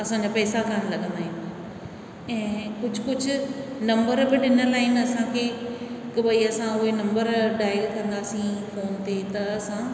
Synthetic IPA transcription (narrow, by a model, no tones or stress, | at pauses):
ɐsãːɲd͡ʑaːpɛːsakaːnlɐɠə̃nd̪aːɦɪn | ɛ̃ːkʊd͡ʑʱʊkʊd͡ʑʱʊ̆nɐ̃mbəɾbɪɗɪnəlaːɦɪnɪɐsãkʰeːɪkɐbɐiɐsãʊɦenɐ̃mbəɾɖaːɪɡkɐ̃nd̪aːsĩfoːnt̪et̪ɐɐsã